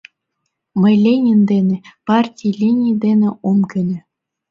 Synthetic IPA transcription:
mɤjlʲenʲind̪enepɑrtʲijlʲinʲijd̪enʲeomkʲɘ̆nʲɘ̆

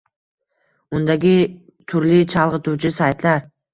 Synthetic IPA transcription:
ʊnd̪aɡʲɪ | t̪ʰʊɾlɪt͡ʃʰɑlˠʁɨt̪ut͡ʃʰɪsajt̪laɾ

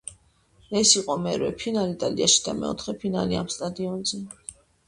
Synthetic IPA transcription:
ɛsiqʼɔmɛɾwɛ̰pʰinalit̪ʼaliaʃi̥d̪̥amɛ̰ɔ̰t̪ʰχɛpʰina̰liamst̪ʼad̪iɔnzɛ

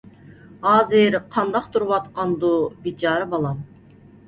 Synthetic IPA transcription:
ɑːziɾqʰɑnd̪ɑqt̪ʰuɾβɑt̪qɑnd̪ubit͡ʃɑɾɯbɑlˠɑm

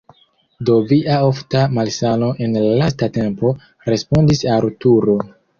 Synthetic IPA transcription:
do̞viʔaoftamalsano̞ʔe̞nlalas̬tate̞mpo̞ | ɾe̞spo̞ndisaɾutuɾo̞

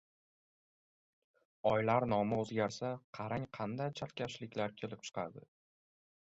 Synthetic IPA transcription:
ɒjlaɾnɒmɪozɡʲaɾsaqʰɑɾaŋqʰɑnd̪ajt͡ʃʰalkʲʰaʃlɪkʲlaɾkʲʰe̞lɪp̚t͡ʃʰɨ̥qʰɑ̰d̪ɪ̰

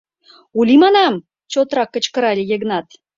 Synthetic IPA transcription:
ulʲimɑnɑm | t͡ɕot̪rɑkːə̆t͡ɕkə̆ɾɑlʲijĕɡnɑt̪

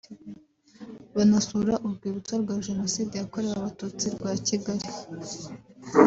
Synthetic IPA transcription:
βanasuɾaʔuɾɡwiːβut͡saɾɡwaːʒe̞no̞siːdejako̞ɾeɾaβatut͡siɾɡwaːciɡaɾi

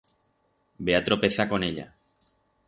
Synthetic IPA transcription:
beat̪ɾo̞pe̞θako̞neʎa̰

